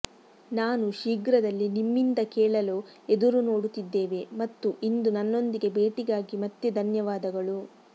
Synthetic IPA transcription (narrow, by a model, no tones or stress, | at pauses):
naːnuʃiːɡɾɐd̪ɐlːinimːind̪ɐkɛːɭɐloːed̪uɾuno̞ːɽut̪id̪ːeːʋe̞mɐt̪ːuʔind̪unɐnːo̞nd̪iɡe̞beːʈiɡaːɡimɐt̪jud̪ʱɐnjɐʋaːd̪ɐɡɐɭu